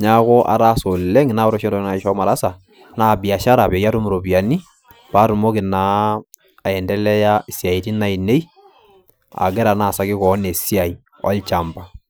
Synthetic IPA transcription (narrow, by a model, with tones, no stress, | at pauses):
ɲa˦kɔ˦ʔa̰˨ɾa˦so˨lɛ˦ŋna˦ɔ˦ɾɔ˦ʃɛ˦ndɔ˨˦na˨i˨ʃɔ˦ma˨ɾa˦sa˨ | naː˦˨bi˨a˨ʃa˦ɾa˨bɛ˨ja˦tu˦mu˨ɾo˨bi˨a˨ni˦ | pa˦ɾu˨mɔ˦kɪ˨naː˨ | ɛ˨ndɛ˦lɛ˦ja˦˨sja˨i˨ti˦na˦i˨ne˦i˦ | a̰˨ɡɛ˦ɾa˨na˦˨sa˦kɪ˦kɔ˨˦ne˨si˦a˨i˨ | ɔ̰˦lt͡ʃa˨mba˨